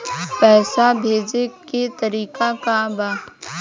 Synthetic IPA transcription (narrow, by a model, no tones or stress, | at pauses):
pɛːsabʱeːd͡ʒeket̪əɾiːkakabaː